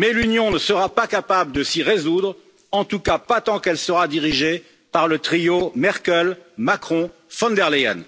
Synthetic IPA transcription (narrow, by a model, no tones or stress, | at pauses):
mɛlynjɔ̃nəsəʁapakapabləd̪əsiʁezud̪ʁ | ɑ̃t̪ukapat̪ɑ̃kɛlsəʁad̪iʁiʒe | paʁlət̪χijomɛʁkʲɛlmakχɔ̃ | fɑ̃nd̪ɛʁlea̰n